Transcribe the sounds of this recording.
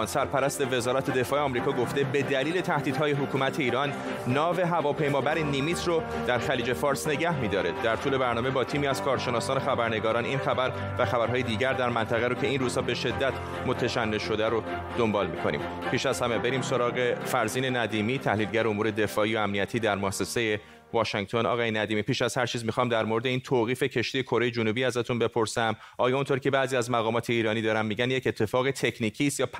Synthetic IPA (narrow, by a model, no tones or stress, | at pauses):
nsæɾpʰæɾæst̪e̞ve̞zɒːɾæt̪ʰe̞d̪e̞fɒːʔeɒmɾiːkʰɒːɡo̞ft̪ebe̞d̪æliːle̞t̪ʰæhd̪iːd̪ɦɒːje̞ɦokʰuːmæt̪ʰe̞iːɾɒnː | ɒːve̞ɦævɒːpʰe̞jmɒːbæɾenimit̪ʰro | d̪̥æɾxæliːd͡ʒe̞fɒːɾsne̞ɟæhmiːd̪ɒːɾed̪æɾt̪ʰuːle̞bæɾnɒːme̞bɒːt̪ʰiːmiːæz̥kʰɒːɾʃenɒːsɒːne̞xæbæɾne̞ɡɒːɾɒːninxæbæɾ | væxæbæɾɦɒːjed̪iːɟæɾd̪æɾmænt̪ʰæɣeɾocʰe̞inruːz̥hɒːbe̞ʃe̞d̪ːæt̪ʰ | mot̪ʰæʃænːeʃo̞d̪æɾo | d̪̥o̞mbɒːlmiːkʰo̞nḭːm | pʰiːʃæz̥hæme̞be̞ɾiːmso̞ɾɒːɣe̞fæɾziːne̞næd̪iːmiːt̪ʰæhliːlɟæɾeomuːɾe̞d̪e̞fɒːiːjoæmnijæt̪ʰiːd̪æɾmoæsːe̞se̞je | vɒːʃiŋ̚t̪ʰo̞nɒ̰ːɣɒːjenæd̪iːmiːpʰiːʃæz̥hæɾt͡ʃʰiːzmixɒːmd̪æɾmoɾed̪eiːnt̪ʰoːɣiːfe̞cʰe̞ʃt̪ije̞kʰo̞ɾe̞je̞d͡ʒonuːbiːæzæt̪ʰunbe̞pʰo̞ɾsæm | ʔɒːjɒːunt̪ʰoɾcʰe̞bæːziːæzmæɣɒːmɒːt̪ʰe̞iːɾɒːniːd̪ɒːɾænmːiːɟænjecet̪ʰːe̞fɒːɣet̪ʰe̞cʰniːcʰiːst̪jɒːp